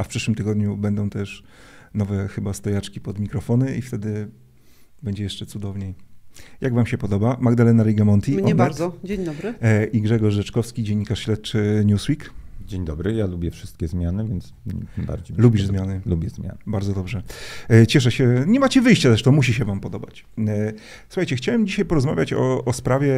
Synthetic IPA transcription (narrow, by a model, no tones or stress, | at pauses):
afpʂɘʂwɘmt̪ɘɡɔd̪ɲubɛnd̪ɔ̃w̃t̪ɛʂ | nɔvɛxɘbast̪ɔjat͡ʂkʲipɔd̪mʲikɾɔfɔnɘift̪ɛd̪ɘ | bɛɲd͡ʑɛjɛʂt͡ʂɛt̪sud̪ɔvɲejjaɡvamɕɛpɔd̪ɔbamaɡd̪alɛnaɾɛɡamɔnt̪ʲiɲɔɛaɾd͡ʑeɲd̪ɔbɾɘʔiɡʐɛɡɔʂʐɛt͡ʂkɔfskʲid͡ʑeɲːikaʂɕlɛt̪̚t͡ʂɘɲuswikd͡ʑeɲd̪ɔbɾɘjalubʲjɛfʂɘ̥st̪̚kʲɛzmʲjanɘvʲjɛnt̪st̪ɨmba̰ɾd͡ʑejlubʲiʐzmʲjanɘlubʲjɛzmʲja̰nbaɾd̪zɔd̪ɔbʐɛt͡ɕɛʂ̬ɛɕɛɲɛmat͡ɕɛvɘjɕt͡ɕazɾɛʂt̪ɔmuɕ̬iɕɛvampɔd̪ɔba̰t͡ɕ | su̥xajt͡ɕɛxt͡ɕawɛmd͡ʑiɕajpɔɾɔzma̰vʲjat͡ɕɔɔspɾavʲjɛ